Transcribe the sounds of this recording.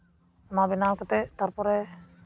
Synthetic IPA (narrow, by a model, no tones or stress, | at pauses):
nabinalkat̪ɛt̪aɾpɔɾɛ